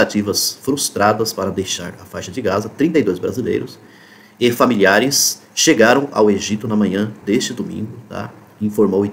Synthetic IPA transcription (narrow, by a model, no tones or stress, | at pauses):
at͡ʃivɐsfɾust̪ɾad̪ɐspaɾɐd̪ejʃa̰ɾɐfajʃɐd͡ʒɪɡazɐt̪ɾĩnt̪ɐjd̪ojzbɾa̰zilḛjɾʊs | ɪfamiliaɾɪs | ʃeɡaɾɐ̃w̃a̰weʒit̪ʊnɐmɐ̃ɲ̃ɐ̃d̪est͡ʃɪd̪omḭ̃ŋɡʊt̪a̰ | ĩfoɾmowɪ